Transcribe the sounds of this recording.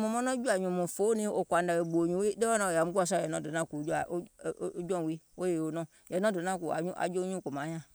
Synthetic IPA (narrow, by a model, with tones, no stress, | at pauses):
mũ˨mɔ̃˦nɔ̃˦d͡ʒu˦a˨ɲũ˨mũ˨fo˦nĩ˦o˨kʷa˨nda˨we˨ɡ͡bo˨ɲũ˨˦i˦de˦ɔ˦nã˨o˨a˨mu˦u˦a˨s̬a˦˨jɛ˨nɔ̃˦˨do˨nã˦˨ku˨˦d͡ʒa˨˦d͡ʒɔ̃˦˨wi˦o˦je˨o˨nɔ̃˦˨ | jɛ˨nɔ̃˦do˨˦nã˦˨ku˨a̰˨ɲu˦a̰˨d͡ʒo˦ũ˦˨ku˨mã˨˦ɲã˦˨